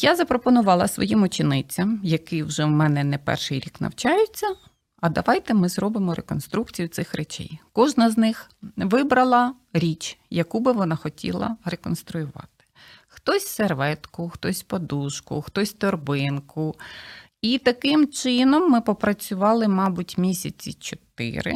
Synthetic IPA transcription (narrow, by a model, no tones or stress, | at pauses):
jazɐpɾɔpɔnʊʋɑlˠɐsʋɔ̰jimʊt͡ʃɪnɪt͡sʲːɐmjɐkɪwʒɛwmɛnɛnɛpɛ̰rʃɪjɾʲiknɐ̰wt͡ʃajʊt͡sʲːɐ | ɐd̪ɐʋɑjt̪ɛmɪzɾɔbɪmɔɾekɔn̪st̪ɾukt͡sʲijʊt̪sɪxɾet͡ʃɛ̰jkɔʒnɐznɪxʋɪbɾɐlˠɐ | ɾʲit͡ʃjɐkubɪʋɔnɑxɔtʲʰḭlˠɐ̰ɾekɔnst̪ɾʊjʊʋɑ̰t̪ɪ̥ | xt̪ɔsʲserʋɛt̪kʊxt̪ɔsʲpɔd̪uʃkʊ̰xt̪ɔsʲt̪ɔrbɪnkʊ | it̪ɐkɪmt͡ʃɪnɔmːɪpɔpɾɐt͡sʲʊʋɑlˠɪmɑbʊtʲmʲisʲɐt͡sʲḭt͡ʃɔt̪ɪ̰ɾɪ̰